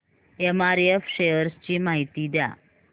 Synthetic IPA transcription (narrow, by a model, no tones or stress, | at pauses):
emaɾefɕejəɾst͡ɕiːmaɦit̪id̪ja̰